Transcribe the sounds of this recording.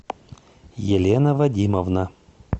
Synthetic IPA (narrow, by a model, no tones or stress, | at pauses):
jɪlʲenəvɐdʲiməvnə